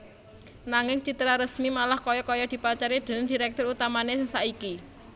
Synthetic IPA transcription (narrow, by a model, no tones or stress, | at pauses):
naŋɪŋt͡ʃit̪ɾaɾəsmimalahkɔjɔkɔjɔd̪̥i̤pat͡ʃaɾid̪̥ə̤nənd̥i̤ɾɛk̚t̪ʊɾut̪amanesɪŋsaiki